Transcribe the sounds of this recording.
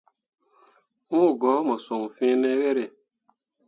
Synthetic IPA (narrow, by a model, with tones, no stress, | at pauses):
ŋu˦˨ɡɔ˨˦mɔ˨so˨m̩˨fĩ˦ne˦we˦ɾe˨